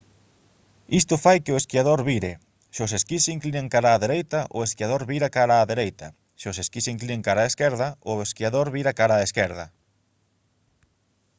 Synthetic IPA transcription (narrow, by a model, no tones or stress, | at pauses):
ist̪ʊfajkɪʊeskiaðoɾβiɾɪ | ʃoseskisiŋklinẽŋkaɾaːðeɾejt̪aʔʊ̰eskiaðoɾβiɾakaɾaːðeɾejt̪ɐ | ʃoseskisiŋklineŋkaɾaeskɛɾðɐʊeskiaðoɾβiɾakaɾaːeskɛɾðɐ